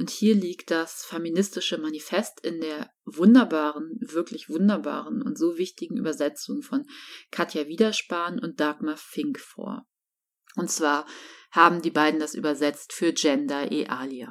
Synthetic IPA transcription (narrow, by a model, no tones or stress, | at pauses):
ʔʊnthiːɐliːkt̚d̥asfeminɪstɪʃəmanifɛstɪndeːɐ | vʊndɐbaːʁənvɪɐklɪçv̥ʊndɐba̰ːʁənʊ̰ntz̥oːvɪçtɪɡŋ̩ʔy̰ːbɐzɛt͡sʊŋfɔnkʰatjaviːdɐʃpaːnʊnt̚d̥aːkmafɪŋkfo̰ːɐ | ʔʊntt͡sv̥aːɐhaːbm̩diːbaɪdn̩dasʔy̰ːbɐzɛt͡stfyːɐd͡ʒɛndɐʔeʔaːlja